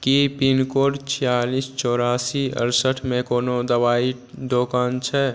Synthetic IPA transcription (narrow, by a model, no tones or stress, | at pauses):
kipinkoːɖt͡ʃʰijaːlist͡ʃɔːɾaːsiə̰ɾsəʈʰmẽkoːnod̪əbaːi | d̪oːkaːnt͡ʃʰɛ